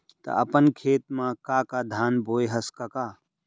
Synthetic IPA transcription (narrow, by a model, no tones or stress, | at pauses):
t̪ɐ̰ɐ̰pənkʰeːt̪̚mãkakad̪ʱaːnboːjɦəskɐkaː